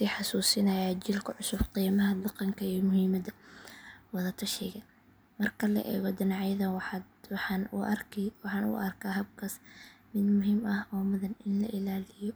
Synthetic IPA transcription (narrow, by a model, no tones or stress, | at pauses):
siːħɑsuːsɪnɐjaːt͡ʃɪlkʰɐʕʊsʊbqiːmɐɦɐd̪ɑqɑŋkʰɐiːmʊhiːmɐd̪ɐ | wɐðɐt̪ʰɐʃɛɣɐ | mɐrkʰɐlɐ̰ʔɛ̰ːɣɔd̪ɪnɑʕjɐðɐw | nʊwħɑːnʊ̰ʔɐrkʰaːɦɐb̚kʰɐsmɪd̪mʊɦimɐhɔːmʊðɐnɪnlɐʔɪlaːlɪjɔ